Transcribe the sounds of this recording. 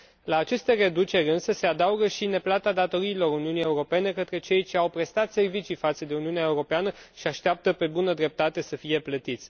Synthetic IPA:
laːt͡ʃe̞st̪e̞re̞d̪ut͡ʃe̞ɾʲɨnsəse̞ad̪auɡəʃine̞plat̪ad̪at̪o̞ɾiːlo̞ɾuniunijeuɾo̞pe̞ne̞kət̪ɾe̞t͡ʃe̞jt͡ʃe̞awpɾe̞st̪at̪se̞rvit͡ʃifat̪səd̪e̞uniuneaeuɾo̞peanəʃiaʃt̪eap̚t̪əpe̞bunəd̪ɾe̞p̚t̪at̪e̞səfije̞plət̪it̪sʲ

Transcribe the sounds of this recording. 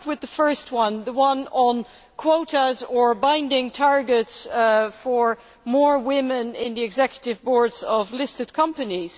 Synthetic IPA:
t̚wɨðəfɜ˞st̚wʌ̃nðəwʌ̃nə̃n | kʰw̥oʊɾəzə˞bãɪ̃ndɪ̃ŋtʰɑɹɡɨtsfə˞ | mɔɹwɪ̃mɨ̃nɪ̃nðiɨɡzɛkjəɾɨvbɔɹdzʌvlɪstɨd̚kʰʌ̃mpɨniz̥

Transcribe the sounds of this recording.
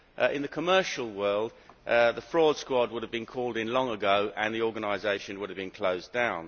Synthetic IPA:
ɪ̃nðəkʰəmɜˑʃəlˠwɜːlˠdðəfɹɔːd̥skwɔd̚wʊɾəvbĩnkʰɔːlˠdɪ̃nlɒ̃ŋəɡəʊʔə̃nðiɔːɡənaɪzeɪʃə̃nwʊɾəvbĩnkʰl̥əʊzdãʊ̃n

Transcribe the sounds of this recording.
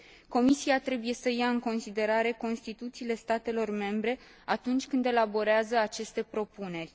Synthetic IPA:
ko̞misiat̪ɾe̞buje̞səjaɨŋko̞nsid̪e̞ɾaɾe̞ko̞nst̪it̪ut̪siːle̞st̪at̪e̞lo̞rme̞mbɾe̞ | at̪unt͡ʃʲkɨnd̪e̞labo̞ɾeazəat͡ʃe̞st̪e̞pɾo̞pune̞rʲ

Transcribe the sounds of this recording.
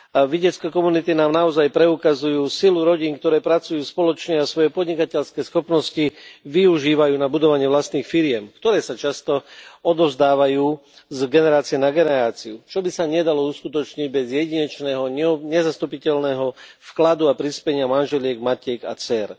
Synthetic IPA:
aʋiɟɛt͡skɛkɔmunit̪inaːmnaɔzajpɾɛukazujuːsiluɾɔɟiːŋkt̪ɔɾɛːpɾat͡sujuːspɔlɔt͡ʃɲɛasʋɔjɛpɔd̪ɲikacɛʎskɛːsxɔpnɔsciʋiuʒiːʋajuːnabud̪ɔʋaɲɪɛʋlast̪niːxfiɾɪjɛmkt̪ɔɾɛːsat͡ʃast̪ɔɔd̪ɔzd̪aːʋajuːzɡɛnɛɾaːt͡sijɛnaɡɛnɛɾaːt͡siut͡ʃɔbisaɲɪɛd̪alɔuskut̪ɔt͡ʃɲiɟ̚bɛzjɛɟiɲɛt͡ʃnɛːɦɔɲɛzast̪upicɛlnɛɦɔfklad̪uapɾispɛɲɪamanʒɛlɪɛɡmacɛɡa̰t͡sɛɾ

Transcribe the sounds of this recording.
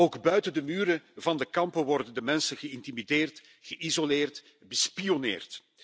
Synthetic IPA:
oːɡbœɥtəndəmyːɾəvɑndəkɑmpəʋɔrdəndəmɛnsənɣəɪntimideːrt | ɣ̥əʔizolɪːrt | bəspijonḛːrt

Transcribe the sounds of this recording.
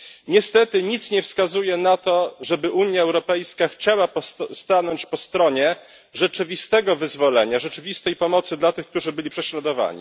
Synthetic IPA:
ɲɛst̪ɛt̪ɘɲit̪sɲɛfskazujɛnat̪ɔʐɛbɘʔuɲjaɛwɾɔpɛjskaxt͡ɕawapɔst̪anɔɲt͡ɕpɔst̪ɾɔɲɛ | ʐɛt͡ʂɘvʲist̪ɛɡɔvɘzvɔlɛɲaʐɛt͡ʂɘvʲist̪ɛjpɔmɔt̪sɘd̪lat̪ɘxk̚t̪uʐɘbɘlʲipʂɛɕlad̪ɔva̰ɲḭ

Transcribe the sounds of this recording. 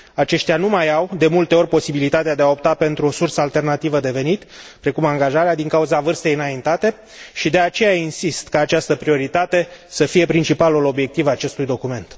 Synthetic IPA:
at͡ʃe̞ʃt̪ʲjanumajawd̪e̞mult̪e̞o̞rʲpo̞sibilit̪at̪ead̪eaop̚t̪ape̞nt̪ɾuo̞sursəalt̪e̞rnat̪ivəd̪e̞ve̞nit̪pɾe̞kumaŋɡaʒaɾead̪iŋkauzavɨrst̪e̞jɨnaint̪at̪e̞ | ʃid̪e̞at͡ʃe̞jainsist̪kəːt͡ʃast̪əpɾio̞ɾit̪at̪e̞səfije̞pɾint͡ʃipalulo̞bje̞k̚t̪ivaat͡ʃe̞st̪ujd̪o̞kume̞nt̪

